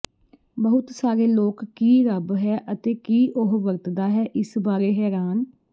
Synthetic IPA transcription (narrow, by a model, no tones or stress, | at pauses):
bəɦʊt̪saːɾeːloːkːiːɾəbɦɛːʔət̪eːkiːʔʊɦʋəɾt̪d̪aːɦɛːʔɪsbaːɾeːɦɛːɾaːn